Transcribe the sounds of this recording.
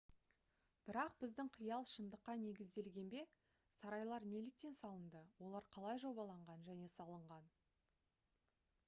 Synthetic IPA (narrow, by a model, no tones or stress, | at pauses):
b̥ɪɾɑq̚b̥ɪzd̪ɪŋqʰəjɑlˠʃənd̪əqːɑne̞ɡʲɪzd̪e̞lɡʲe̞nbe̞ | sɑɾɑjlˠɑɾne̞lɪk̚t̪e̞nsɑlˠənd̪əwo̞lˠɑɾqʰɑlˠɑjʒo̞bɑlˠɑɴʁɑnʒæne̞sɑlˠəɴʁɑn